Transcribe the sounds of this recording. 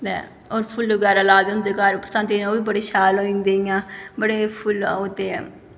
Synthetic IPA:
d̪ɛ̰ | oːɾpʰʊlɡɛːɾaːlaːd̪ɦʊ̃nd̪eːkaːɾpɾəsãːnt̪enoːʋiːbəɽeːʃaːloːĩnd̪eːijãːbəɽeːpʰʊlot̪eː

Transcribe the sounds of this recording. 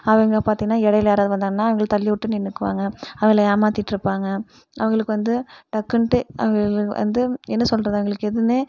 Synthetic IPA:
ɐʋɐŋɡɐpaːɾt̪iŋːɐnːaːɛɽɐjɪlɐjaːɾaːðɯʋɐnd̪aːŋɐnːaːɐʋɐŋɡɐɭt̪ɐlːɪʊʈːɯnɪnːɯkːɯʋa̰ːŋɡɐɐʋɐŋɡɐlɐjaːmaːt̪iʈːɪɾɯpːaːŋɡɐ | ɐʋɐŋɡɐɭɯkːɯʋɐnd̪ɯʈɐkːɯɳʈɯɐ̰ʋɐŋɡɐɭʋɐ̰nd̪ɯɛnːɐsɔlɾɐðɯɐʋɐŋɡɐɭɯkːɯɛðɯneː

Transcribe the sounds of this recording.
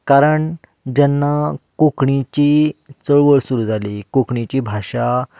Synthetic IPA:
kaɾəɳ | d͡ʑɛnːakokɳit͡ɕit͡səɭʋəɭsuɾud͡zʱalikokɳit͡ɕibʱaɕa

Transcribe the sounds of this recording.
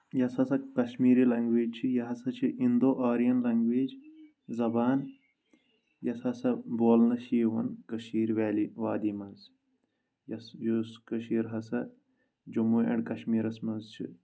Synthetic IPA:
jɐsɐsɐkɐʃmiːɾiːlɐŋɡʋeːd͡ʒt͡ʃʰijɐɦɐsɐt͡ʃʰiʔind̪oːʔaːɾijɐnlɐŋɡʋeːd͡ʒ | zɐbaːn | jɐsɐsɐboːlnɐʃiːʋɐ̰nkɐʃiːɾʋaːliʋaːd̪iːmɐnz | jɐsjuskɐʃiːɾɦɐsɐ | d͡ʒɐmuɐ̰ɳɖkɐʃmiːɾɐsmɐnzt͡ʃʰḭ

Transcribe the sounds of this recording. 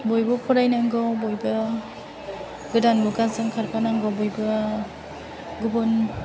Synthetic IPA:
bɔjbɔpʰɔɾajnaŋɡɔbojbɯ | ɡɯdanbuɡazɯŋkʰaɾpʰanaŋɡɔbɔjbɯ | ɡubɔn

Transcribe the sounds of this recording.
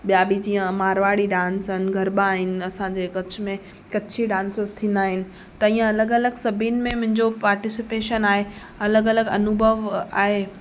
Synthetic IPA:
ɓijaːbid͡ʑiːə̃maːɾʋaːɽiɖãːnsənɪ̆ɡʱɐɾɓaːɦɪnɪ̆ɐsãd͡ʑeːkɐt͡ɕʰʊmẽ | kɐt͡ɕʰiɖãːnsəzt̪ʰĩːnd̪aːɦɪnɪ̆ | t̪ɐĩːə̃ɐləɡɐləɡsɐbʱinɪ̆mẽmʊ̃ɦɪ̃ɲd͡ʑopaːɾʈɪsɪpeːʃənaːɦe | ɐləɡɐləɡɐ̰nʊbʱəʋa̰ːɦeː

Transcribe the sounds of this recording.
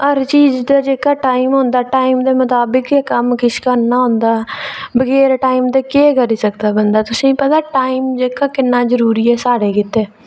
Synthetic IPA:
əɾt͡ʃiːd͡ʒd̪aːd͡ʒeːkaːʈaːiːmɦõnd̪aːʈaːimd̪eːmʊt̪aːbɪkekəmkɪʃkəɾnaːɦʊ̃nd̪aːbəɡɛːɾʈaːiːmd̪eːkeːkəɾiːsək̚d̪aːbənd̪aːt̪ʊsĩːpət̪aːʈaːiːmd͡ʒeːkaːkɪnːaːzəɾuːɾiːɛːsaːɽeːkɪt̪eː

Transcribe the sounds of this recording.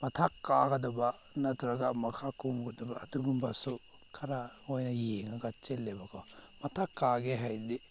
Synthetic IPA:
matʰakːaɡɐdɔba | natuɾaɡamakʰakumɡɔdɔbaːduɡumbasu | kʰaɾaŋojnajeŋaɡat͡ʃelːebakʰɔmɐtʰakːaɡeɦajdi

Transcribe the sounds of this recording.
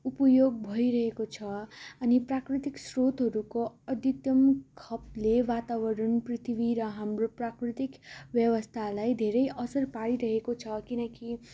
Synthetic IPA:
upʌjoɡ̚bʱʌiɾʌɦekot͡sʰʌʌniprakrit̪iksrot̪ɦʌɾukoʌt̪it̪jʌmkʰʌplewat̪awʌɾʌnprit̪ʰibiɾʌɦamroprakrit̪ikbjʌwʌst̪ʰalajd̪ʱeɾʌjʔʌsʌrpaɽiɾʌɦekot͡sʰʌkinʌki

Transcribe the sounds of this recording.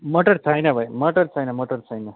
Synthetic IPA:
məʈəɾt̪ʰajnabʱajməʈəɾt̪ʰajnaməʈəɾt̪ʰajne

